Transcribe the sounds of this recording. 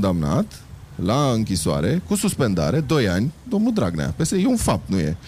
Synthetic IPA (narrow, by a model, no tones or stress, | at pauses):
nd̪amna̰t̪ | laɨŋkʲisoa̰ɾe̞kususpe̞nd̪a̰ɾe̞d̪o̞janʲd̪o̞mnud̪ɾaɡnḛa̰pesejeunfap̚t̪nuje̞̰